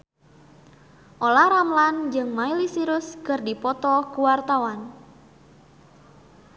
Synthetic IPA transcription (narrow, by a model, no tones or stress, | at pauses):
ʔolahɾamland͡ʒɨŋmailisiɾʊskɨrdipɔt̪ɔkuwart̪awan